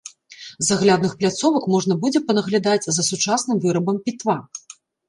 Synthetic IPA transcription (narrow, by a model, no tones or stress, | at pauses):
zaɣlʲad̪nɨxplʲat̪sɔvɐkmɔʐnɐbud͡zʲɛpɐnɐɣlʲad̪at͡sʲzɐsut͡ʂasnɨmvɨɾɐbɐmpʲit̪va